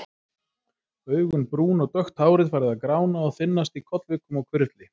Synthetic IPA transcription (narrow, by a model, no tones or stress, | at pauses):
œːɥɣʏnpɾuːnɔɣt̪œxt̪haːwɾɪðfaːɾɪðaðkɾaːwnaɔðθɪnːast̪ikʰɔt̪lvɪːkʏmawkʰvɪɾt̪lɪ